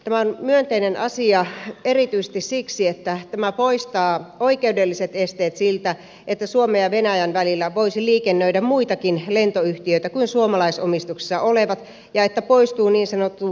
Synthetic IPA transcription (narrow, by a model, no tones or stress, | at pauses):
t̪æmæonmyønt̪einenɑsiɑerit̪yise̥st̪issiksiet̪ːæt̪æmæpoist̪ɑːoikeudelːiset̪est̪eːt̪silt̪æ | ʔet̪ːæsuomejɑʋenæjænʋælilːæʋoisiliːkenːøidæmmuit̪ɑkinlent̪oyht̪iøit̪ækuinsuomɑlɑisomist̪uksi̥sːɑoleʋɑt̪ | jɑet̪ːæpoist̪uːniːnsɑnot̪ːu